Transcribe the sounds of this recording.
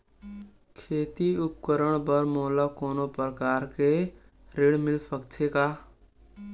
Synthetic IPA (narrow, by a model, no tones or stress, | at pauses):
kʰeːt̪iʊp̚kəɾəɽ̃bəɾmoːlakoːnopɾəkaːɾke | ɾeːɽmɪlpəkt͡ʃʰekaː